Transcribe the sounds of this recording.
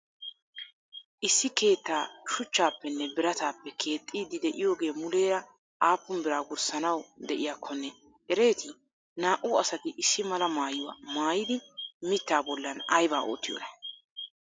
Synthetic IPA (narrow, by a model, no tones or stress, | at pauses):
ʔɪsːɪke̞ːt̪ːaːʃʊt͡ʃːaːpːɛnːɛbɪɾɐt̪aːpːɛkʰe̞ːt̪ʼːiːd̪ɪd̪ɛʔɪjo̞ːɡe̞ːmʊle̞ːɾɐ | ʔaːpːʊmbɪɾaːɡʊɾsɐnɐwd̪ɛʔɪjaːkʰːɔnːɛ | ʔɛɾe̞ːt̪ɪ | naːʔʊɐsɐt̪ɪʔɪsːɪmɐlɐmaːjʊwa̰ːmaːjɪd̪ɪmɪt̪ːaːbɔlːɐnɐjbaːʔo̰ːt̪ːɪjo̰ːnɐ